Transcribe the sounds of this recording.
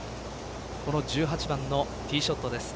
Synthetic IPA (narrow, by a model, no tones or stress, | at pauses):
ko̞no̞d͡ʑɨːɦat͡ɕibãnːo̞ | t̪ʲiːɕo̞t̪ːo̞d̪e̞sɨ̥